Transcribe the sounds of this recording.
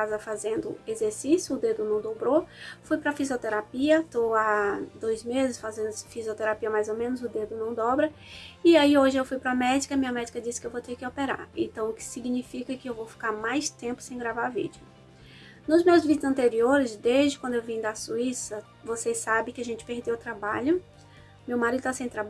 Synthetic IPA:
kazɐfazẽnd̪ʊ̰ezeɾsisjʊːd̪ed̪ʊnɐ̃w̃d̪obɾofujpɾɐfiziot̪eɾapiɐt̪owad̪ojzmezɪsfazẽnd̪ʊfiziot̪eɾapiɐmajzomẽnʊzʊd̪ed̪ʊnɐ̃w̃d̪ɔbɾɐɪaioʒɪewfujpɾɐmɛd͡ʒikɐmĩɲɐmɛd͡ʒikɐd͡ʒisɪ̥kɪewvot̪ekɪopeɾa̰ɾḛ̃nt̪ɐ̃w̃ʊkɪ̥siɡnifikɐkɪewvowfi̥kaɾmajst̪ẽmpʊ̥sẽj̃ɡɾavaɾvḭd͡ʒʊ | nʊzmewzvid͡ʒʊzɐ̃nt̪eɾioɾɪzd̪ezd͡ʒɪkwɐ̃d̪ʊewvĩd̪ɐsuisɐ | vosesabɪ̃kɪaʒẽnt͡ʃɪ̥peɾd̪ewʊt̪ɾabaʎʊ | mewmaɾid̪ʊt̪asẽj̃t̪ɾab

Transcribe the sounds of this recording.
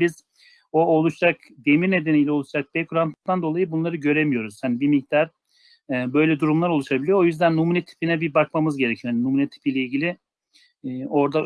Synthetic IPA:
biz̥ | oolˠuʃɾak | d̪emiɾne̞d̪enijlʲɛo̞lˠuʃɾak̚bekʰuɾamp̪t̪and̪o̞lˠajɯbunlˠaɾɯɟø̞ɾe̞mijo̞ɾuz̥hanibimik̚d̪aɾ̥ː | bø̞jlʲɛd̪uɾumlˠaɾo̞lˠuʃabilʲijoojyzd̪ænːumunet̪ʰi̥pʰinɛbibakmamɯzɟe̞ɾecʰilɾhaninumunet̪ʰi̥pijlʲɛilʲɟilʲi | o̞ɾd̪a

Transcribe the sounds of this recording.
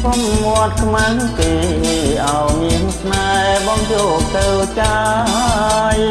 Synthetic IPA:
komːoət̪̚kʰmaŋkeːʔaɔjmiənsʰnaɓɑŋjɔːk̚t̪əwt͡ɕaː | j

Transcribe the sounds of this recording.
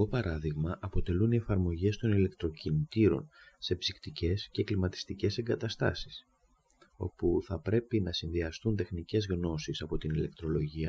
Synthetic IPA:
ɣo̞pɐɾɐðiɣmɐʔɐpo̞t̪e̞lunie̞fɐɾmo̞ʝe̞st̪o̞nile̞kt̪ɾo̞cinit̪iɾo̞̰nse̞psikt̪ice̞sce̞klimɐt̪i̥st̪ice̞se̞ŋɡɐt̪ɐst̪ɐ̰si̥s | o̞̰puθɐpɾe̞pinɐsinðiɐst̪unt̪e̞xnice̞zɣno̞sisɐpo̞t̪inile̞k̚t̪ɾo̞lo̞ʝiɐ

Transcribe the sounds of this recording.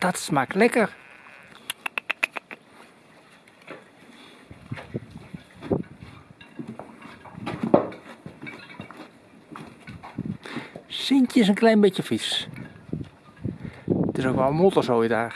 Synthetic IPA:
d̥atsmaklɛkər | sintjəs̬ənklɛjnbɪtjəfis | tɪsokʋɔlˠmulˠtəsoːjədaː

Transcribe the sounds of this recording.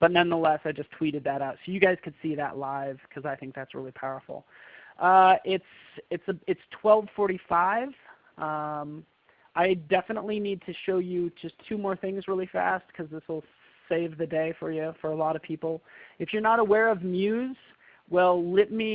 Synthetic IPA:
b̥ʌtⁿnʌ̃nðəlɛsaɪd͡ʒʌstʰw̥iɾɨd̪̚ðɨɾaʊtsoʊjɨɡaɪz̥kʰɨd̥siðə̰ʔlaɪv̥kʰʌzaɪθɪ̃ŋk̚ðætsɹɪ̰lˠipʰaʊə̰˞fl̩ˠ | ʔʌɪts | ɨtsəɨtstʰw̥ɛlˠv̥fɔɹɾifaɪv̥ | ʔʌ̃m | ʔaɪdɛfənə̰tˡlinid̚tʰɨʃoʊjɨd͡ʒʌstʰʉmɔɹθɪ̃ŋzɹɪlˠifæ̰st̚kʰʌzðɪswəl̩ˠ | seɪvðɨdeɪfə˞jʉfə˞əlɔɾʌv̥pʰipl̩ˠɨfjə˞nəɾəwɛɹʌvmjʉz̥ | wɛlˠlɪt̚mi

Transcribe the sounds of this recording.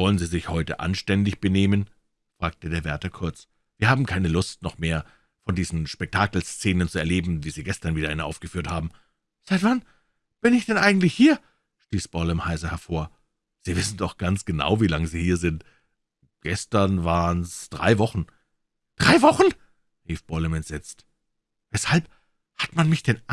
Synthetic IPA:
v̥ɔlənziːzɪçhɔʏtə̰ʔa̰nʃtɛndɪçb̥əneːmən | fʁ̥aːk̚tədeːɐvɛɐtɐkʰʊɐt͡s | v̥iːɐhaːbm̩kʰaɪnəlʊstnɔχmeːɐ | fɔndiːzn̩ʃpɛk̚tʰaːkl̩st͡seːnənt͡suɛɐleːbm̩viːziːɡɛstɐnviːdɐʔaɪnʔa̰ʊfɡ̥əfyːɐthaːbm̩ | z̥aɪtv̥an | b̥ɪnɪçd̥ɛnʔaɪɡŋ̩tlɪçhiːɐ | ʃtiːsb̥ɔlɛmhaɪzɐhɛɐfoːɐ | z̥iːvɪsn̩dɔχɡ̥ant͡sɡ̥əna̰ʊviːlaŋəziːhiːɐzɪnt | ɡ̥ɛstɐnvaːʁənsd̥ʁa̰ɪvɔχn̩ | d̥ʁaɪvɔχn̩ | ʁiːfb̥ɔlɛmɛntz̥ɛt͡st | vɛshalp̚ | hatmanmɪçd̥ɛn

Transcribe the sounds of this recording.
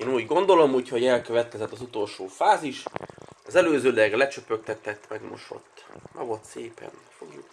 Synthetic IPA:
eːnuːɟɡo̞nd̪o̞lo̞mhocho̞ɟɛlkøvɛt̪̚kɛzɛt̪ːɒzut̪o̞lʃoːfaːziʃɒzɛløːzøːlɛɡlɛt͡ʃøpøk̚t̪ɛt̪ːɛt̪ːmɛɡmo̰ʃo̞̰t̪ːmʔɛ̰vo̞lt̪seːpɛ̰nfo̰ɡjuk

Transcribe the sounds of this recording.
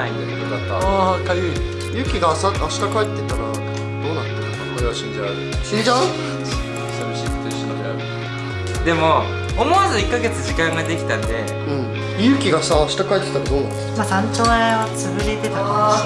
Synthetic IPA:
aiejokat̪ːa̰kajɯ | jɯ̟ːkʲiɡasaaɕi̥t̪akait̪ːet̪aɾa | d̪̥o̞ːnat̪ːanokakoɾeβaɕind͡ʑaaɾɯɕiɲd͡ʑa | sabiɕiːkot̪oiɕinod̪ea̰ɾɯ | d̪e̞mo̞ | omoazoikːaɡe̞t͡sɨʑikãŋɡad̪e̞kʲi̥t̪ãnd̪e̞ | ɯ̟̃ɴ | jɯ̟ːkʲiɡasaːɕi̥t̪akait̪ːet̪aɾad̪oːnãnmasãɲt͡ɕoːaβat͡sɨbɯ̟ɾe̞t̪e̞t̪aka

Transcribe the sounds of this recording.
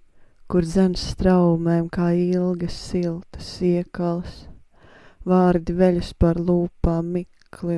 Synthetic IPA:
kuɾd̪zɛnsːt̪ɾawmɛmkaːilˠɡɐsilˠt̪ə̥siɛkalˠs | vaːɾd̪ivɛʎʲuspaɾlˠuːpaːmikli

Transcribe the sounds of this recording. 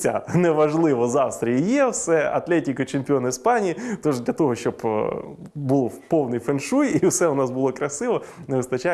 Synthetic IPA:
sʲa̰nɛʋɐʐlˠɪʋɔzɑwst̪ɾʲijijewsɛɐ̰t̪lʲɛtʲɪkɐt͡ʃɪmpʲɪonɐɪspɑnʲijit̪ɔʐd̪lʲɐt̪ɔɦɔʃt͡ʃɔb | bulˠpownɪjfenʃujiwsɛʊnɑsbʊlˠɔkɾɐsɪʋɔneʋɪst̪ɐt͡ʃa

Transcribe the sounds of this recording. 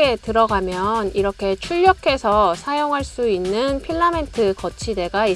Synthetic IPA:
e̞tɯɾʌɡamjʌniɾʌkʰe̞t͡ɕʰuʎːʌkʰe̞sʰʌsʰajoŋɦaɭs͈uinːɯnpʰiɭːame̞ntʰɯkʌt͡ɕʰide̞ɡai

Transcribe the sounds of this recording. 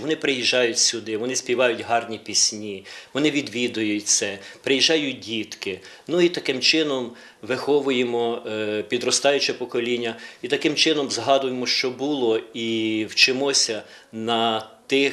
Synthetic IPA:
ʋɔnɪpɾɪjiʒɑjʊtʲsʲʊd̪ɪʋɔnɪsʲpʲiʋɑjʊtʲɦɑrnʲipʲisʲnʲiʋɔnɪʋʲid̪ʋʲid̪ʊjʊtʲt̪sɛpɾejiʒɑjʊt̚ʲdʲit̪kɪ | nʊit̪ɐkɪmt͡ʃɪnɔm | ʋɪxɔʋʊjemɔpʲid̪ɾɔst̪ɑjʊt͡ʃɛpɔkɔlʲinʲːɐit̪ɐkɪmt͡ʃɪnɔmzɦɑd̪ʊjemɔʃt͡ʃɔbʊlˠɔiwt͡ʃɪmɔsʲɐ | nɐt̪ɪ

